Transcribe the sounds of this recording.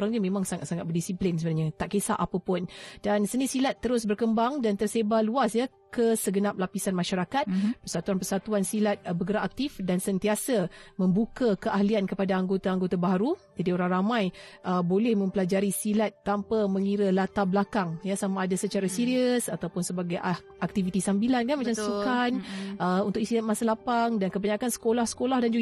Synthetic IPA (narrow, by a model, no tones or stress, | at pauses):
ɾaŋɲamẽmãŋsaŋat̪̚saŋat̪̚bərdisiplinsəbənaɲat̪aʔkesaʔapəpʊndansənisilat̪ːəɾʊs̬bərkəmbaŋdant̪ərsebaluasja | kəsəɡənap̚lapisanmaʃaɾakat̪̚pərsat̪uanpərsat̪uansilat̪̚bəɡəɾaʔak̚t̪ifdansənt̪iasamə̃mbukakəʔahliankəpadaaŋɡot̪aaŋɡot̪abaɦaɾud͡ʒadioɾaŋramãjʔəbolɛhmə̃mpəlad͡ʒaɾisilat̪ːampaməŋiɾəlat̪ablakaŋjasamaːdasət͡ʃaɾasiɾiəsat̪awpʊnsəbaɡaj | ak̚t̪ivit̪isambilankanmat͡ʃamsukanəunt̪ʊkist̪ilat̪̚masalapaŋdankəbaɲakansə̥kolahsə̥kolahdand͡ʒuɡ